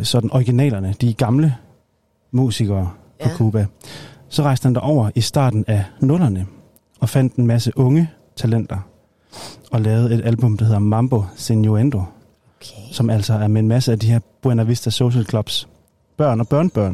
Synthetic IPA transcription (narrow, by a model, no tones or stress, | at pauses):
sɒ̽d̥n̩ʔɒiɡ̥inɛ̰ːlɐnəd̥iɡ̥ɑ̈mlə | mṵːsiɡ̥ɐː | pʰɒ̽kʰuːb̥æsɒ̽ʁɑ̈ɪsd̥əhænd̥ɑ̈ʔɒʊ̰ɐʔisd̥ɑ̰̈ːd̥n̩ænɔ̽lɐnə | ɒ̽fæn̰d̥e̝nmæsəʔɔ̽ŋə | t͡sʰælen̰d̥ɐ | ɒ̽lɛːʊð̩ˠe̝d̥ælb̥ɔ̽md̥ɑhe̝ð̞̰ˠɐmɑ̈mb̥o̝senjoend̥o̝ | sɒ̽mæl̰sɒ̽æɐmeenmæsəæd̥ihe̝ɐb̥uenæʋisd̥æso̝ɕelkʰlɒ̽b̥s | b̥ɶɐ̰nɒ̽b̥ɶɐnəb̥ɶɐ̰n